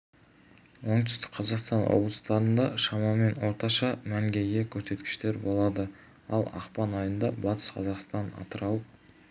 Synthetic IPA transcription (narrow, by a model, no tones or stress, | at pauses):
wo̞ɴt̪ʏ̥st̪ɪ̥k̚ʲqʰɑzɑqst̪ɑnwo̰blˠəst̪ɑɾənd̪ɑʃɑmɑme̞nwo̞ɾt̪ɑʃɑmæŋɡʲe̞jɡʲe̞kʲʰɵɾse̞t̪kʲɪ̥ʃt̪e̞ɾbo̞lˠɑd̪ə | ɑlˠɑ̰qpɑnɑjənd̪ɑbɑt̪ə̥sqʰɑzɑqst̪ɑnɑ̰t̪əɾɑwəp